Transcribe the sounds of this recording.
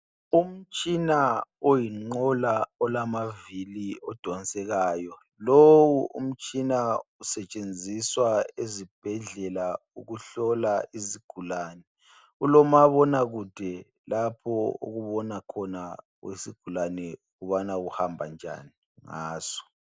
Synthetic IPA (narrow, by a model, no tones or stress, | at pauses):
um̩t͡ʃʼinaojiŋ͡ǃɔlaɔlamaviliɔd̥ʱɔnsʼɛɣaːjɔ | lowuṵm̩t͡ʃʼinausɛt͡ʃʼend͡zʱiswaezib̥ʱɛɮɛla | uɣuɬɔlaiziɡ̥ʱulaːnɛ | ulɔmaβɔnaɣud̥ʱɛ | lapʰɔo̰ɣuβɔnakʰɔna | wḛsiɡ̥ʱulanɛuɣuβanaɣuhambʱa̰nd͡ʒʱa̰ni | ŋa̰ːzɔ̥